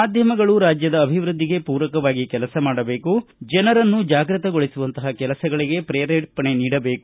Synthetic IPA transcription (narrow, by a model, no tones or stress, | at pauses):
maːd̪ʱjɐmɐɡɐɭuɾaːd͡ʒjɐd̪ɐːbʱiʋɾud̪ʱːiɡe̞puːɾɐkɐʋaːɡikɛlɐsɐmaːɽɐbe̞ːkud͡ʒɛnɐɾɐnːud͡ʒaːɡɾɐt̪ɐɡo̞ɭisuʋɐnt̪ɐɦɐkɛlɐsɐɡɐɭiɡe̞pɾɛːɾeʈpɐɳe̞niːɽɐbe̞ːku